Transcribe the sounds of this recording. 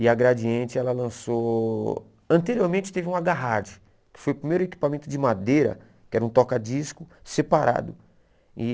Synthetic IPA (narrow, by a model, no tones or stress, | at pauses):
ɪaɡɾad͡ʒiẽnt͡ʃɪɛlɐlɐ̃so | ɐ̃nt̪eɾioɾmẽnt͡ʃɪ̥t̪evɪĩũaɡaɦaɾd͡ʒɪ | kɪ̥fojʊpɾimejɾʊeki̥pamẽnt̪ʊd͡ʒɪmad̪ejɾɐ̰ | kɪɛɾɐũt̪ɔkad͡ʒiskʊsepaɾʔa̰d̪ʊ | ɪ